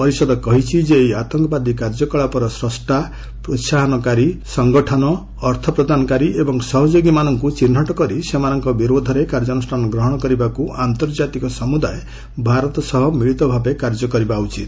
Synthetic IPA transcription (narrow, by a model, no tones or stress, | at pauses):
pɔɾisɔd̪ɔkɔɦit͡ʃʰid͡ʒejat̪ɔŋkɔbad̪ikaɾd͡ʒɔkɔɭapɔɾɔsɾɔsʈa | pɾot̪saɦɔnɔkaɾisɔŋɡɔʈʰɔnɔː | ɾt̪ʰɔpɾɔd̪anɔkaɾiʔebɔŋsɔɦɔd͡ʒoɡimanɔŋkut͡ʃin̤ːɔʈɔkɔɾisemanɔŋkɔbiɾod̪ʱɔɾekaɾd͡ʒɔnusʈʰanɔɡɾɔɦɔɽ̃ɔkɔɾibakuʔant̪ɔɾd͡ʒat̪ikɔsɔmud̪ae | bʱaɾɔt̪ɔsɔɦɔmiɭit̪ɔbʱabekaɾd͡ʒɔkɔɾibaut͡ʃit̪